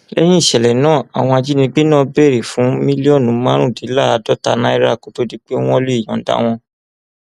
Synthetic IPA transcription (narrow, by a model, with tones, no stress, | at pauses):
lɛ˦j̃ĩ˦˨ʃɛ˨lɛ˨nãː˦˨a˨w̃ɔ̃˧a˧d͡ʒi˦nĩ˧ɡ͡be˦nãː˦˨bɛ˦˨ɾe˨fũ˨˦mĩ˦li˦ɔ˦˨nũ˨˦mã˦ɾ̃ũ˦˨di˨˦la˦˨a˧dɔ˦ta˧nã˦i˦ɾa˦˨ko˨˦to˦di˦k͡pe˦w̃ɔ̃˦le˦i˨j̃ɔ̰̃˨da̰˨˦w̃ɔ̃˧